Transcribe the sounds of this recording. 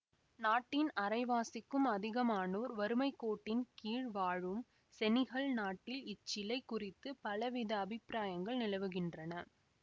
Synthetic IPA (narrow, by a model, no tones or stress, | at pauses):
naːʈːɪnɐɾɐɪʋaːsɪkːɯmɐðɪɣɐmaːnoːɾʋɐɾɯmɐɪkːoːʈːɪnkiːɻʋaːɻɯm | sɛnɪɣɐɭnaːʈːɪlɪt͡ʃːɪlɐɪkːʊrɪt̪ːɯpɐlɐʋɪðɐːbʱɪpɾaːjɐŋɡɐɭnɪlɐʋɯɣɪndrɐnɐ